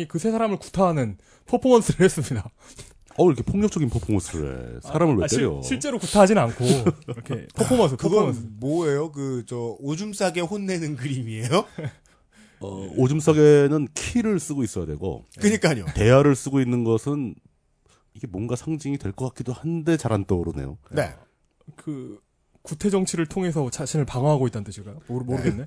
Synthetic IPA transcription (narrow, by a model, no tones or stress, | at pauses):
ikɯsʰe̞sʰaɾamɯɭku̥tʰaɦanɯn | pʰopʰomʌns͈ʰɯɾees͈ɯmɲida | ʌiɾʌkʰepʰoŋɲʌk̚t͡ɕ͈ʌɡinpʰopʰomʌnsʰɯɾḛsʰaɾamɯɭweejo̰ɕʰiɭt͡ɕ͈e̞ɾokutʰaɦad͡ʑinnankʰo | pʰopʰomʌnsʰɯkɯɡʌmoejokɯt͡ɕʌod͡ʑums͈ʰaɡe̞ɸonːe̞nɯnkɯɾimie̞jo | ʌ̰od͡ʑums͈ʰaɡenɯnkʰiɾɯɭs͈ɯɡois͈ʌjadwe̞̰ɡo̰kɯɲik͈aɲo̰te̞jaɾɯɭs͈ɯɡoinːɯnɡʌsʰɯn | iɡe̞mwʌnɡasʰaŋd͡ʑiŋidwe̞ɭk͈ʌk͈ak͈̚idohande̞t͡ɕaɾant͈oɾone̞̰jo̰ne̞̰ | kɯ | kutʰe̞d͡ʑʌŋt͡ɕʰiɾɯɭtʰoŋɦe̞s̬ʰʌt͡ɕaɕʰinɯɭpaŋwaɦaɡoit͈ant͈ɯɕʰiɡajomomoɾɯɡenːe̞